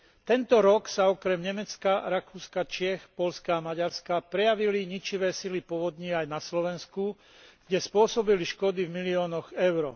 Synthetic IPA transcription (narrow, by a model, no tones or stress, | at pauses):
t̪ɛnt̪ɔɾɔksaɔkɾɛmɲɛmɛt͡skaɾakuːskat͡ʃɪɛxpɔʎskaːmaɟaɾskapɾɛjaʋiliɲit͡ʃiʋɛːsilipɔʋɔd̪ɲiajnaslɔʋɛnsku | ɡ̥ɟɛspʊɔsɔbiliʃkɔd̪ivmiliɔːnɔɣɛʊɾɔ